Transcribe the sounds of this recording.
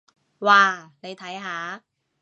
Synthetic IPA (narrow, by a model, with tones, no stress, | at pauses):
waː˧˩ne˨˧jt̪ʰɐ˨˥jɦaː˨˦˥